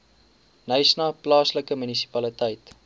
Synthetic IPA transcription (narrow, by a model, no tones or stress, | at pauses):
nəjsnɑplɑːsləkəmynisi̥pɐlitəjt